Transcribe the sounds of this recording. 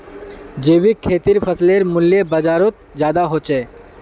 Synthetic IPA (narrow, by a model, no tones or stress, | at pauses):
d͡ʒeːʋikʰːeːt̪iɾpʰəsleɾmʊljebəd͡ʒaːɾot̪̚d͡ʒjaːd̪aɦoːt͡ʃeː